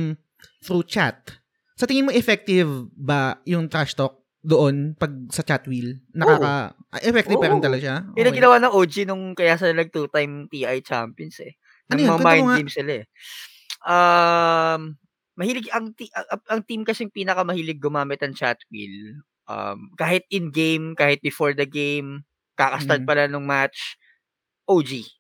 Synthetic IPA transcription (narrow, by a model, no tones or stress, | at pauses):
m | θɾut͡ʃat̪̚ | sɐt̪ɪŋɪnmoʔɛfɛk̚t̪ɪvbɐjʊŋt̪ɾaʃt̪ok̚ | d̪oʔonpɐɡ̚sɐt͡ʃat̪wilnɐkaaːkɐʔɐ̰ʔɛfɛk̚t̪ɪvpɛɾɪnt̪ɐlɐɡʃaɪɐŋɡɪnɐwanɐŋʔoːd͡ʒɪnʊŋkɐjasɐlɐnɐɡ̚t̪uːt̪ajmt̪iʔɐjt͡ʃa̰mpjonsɛ̰ | nɐnojmɐɐɐmajɪŋaimsɪlaɛ | ʔa | mː | ɐhiːlɪɡɐŋt̪iʔɐɐʔɐŋt̪imkɐsɛŋpiːnɐkɐmɐhiːlɪɡ̚ːʊmaːmɪt̪̚nɐŋt͡ʃat̪wḭl | ʔɐ̰mkaːhɪt̪̚ɪnɡejmkaːhɪt̪̚bɪfoɹd̪ɐɡejm | kaːkɐsaɹt̪̚pɐlanʊŋmat͡ʃ | ʔowd͡ʒi